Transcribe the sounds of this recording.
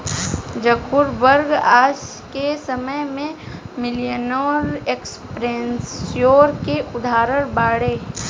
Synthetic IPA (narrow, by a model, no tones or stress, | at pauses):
d͡ʒəkʰʊɾbəɾɡaːs | kesəməjmẽmɪlijənoːɾekspɾensjoːɾkeʔʊd̪ʱaːɾəɽbaːɽeː